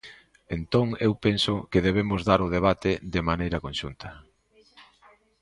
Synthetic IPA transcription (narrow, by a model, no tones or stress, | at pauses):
ent̪oŋewpensʊkeðeβ̞emʊzðaɾʊð̞eβ̞at̪ɪðɪmanejɾɐkonʃunt̪ɐ